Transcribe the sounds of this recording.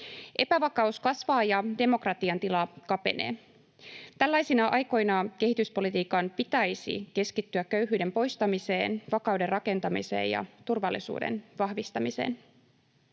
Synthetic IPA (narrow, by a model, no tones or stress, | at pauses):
ʔe̞pæʋɑkɑuskɑsʋɑːjɑde̞mo̞krɑt̪iɑnt̪ilɑkɑpe̞̰ne̞̰ː | t̪ælːæjsinɑʔɑjko̞jnɑke̞hit̪yspo̞lit̪iːkɑmpit̪æjsḭke̞skit̪ːyækːø̞ɥɦyːde̞mpo̞jst̪ɑmise̞ːnʋɑkɑwde̞rrɑke̞nt̪ɑmḭse̞̰ːjɑ̰t̪urʋɑlːisṵːdḛnʋɑhʋist̪ɑmise̞̰ːn